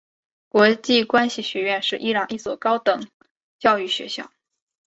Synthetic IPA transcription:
kwɔ˧˥t͡ɕi˥˩kwa˥nɕi˨˩ɕɥɛ˧˥ɥɛ˥˧nʂɻ̩˥˧ʔi˥ɻɑ˨˩ŋi˥˩swɔ˨˩kɑ˥ʊt̪ɤ˨˩˦ŋ | t͡ɕjɑ˥˧ʊy˥˩ɕɥɛ̰˧˥ɕjɑ̰˥˩ʊ

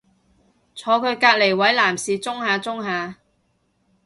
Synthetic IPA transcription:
t͡sʰɔː˨˧kʰɵ˨˧ɥkaː˧k̚le˨˩jwɐ˨˥jlaː˨˩msiː˨t͡sʊ˥ŋhaː˨˧t͡sʊ˥ŋɦaː˨˧

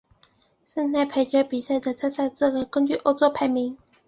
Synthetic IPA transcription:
sə˥˧ŋt̪a˥˩ɪpʰe˧˥ɪt͡ɕɥɛ˧˥pi˨˩sa˥˩ɪd̪ə˨˩t͡sʰa˥sa˥˧t͡s̩˥˩lə˨˩kə˥ŋt͡ɕy˥˩ʔo˧˥ʊt͡sɔ˥pʰa˧˥ɪmi˧˥ŋ

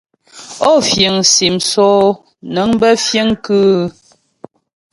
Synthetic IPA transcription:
ɔ˦˨fje˨ŋsi˨msɔː˦ | nə˨˦ŋ˦bə˦fje˦ŋkʉ˦

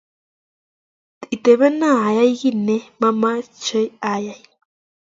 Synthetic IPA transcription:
t̪i˨t̪e˨βe˦nã˦˨ja˦jɣi˦ne˦ma˦ma˦t͡ʃə˦ja˦ja˦j

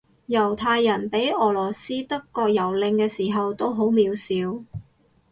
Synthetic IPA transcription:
jɐ˨˩wt̪ʰaː˧jːɐ˨˩npe˨˥jɔː˨˩lɔː˨˩siː˥t̪ɐ˥kːɔː˧k̚jɐ˨˩wlɪ˧ŋkɛː˧siː˨˩ɦɐ˨wt̪o˥wɦo˨˥wmiː˨˧wsiː˨˧˥w

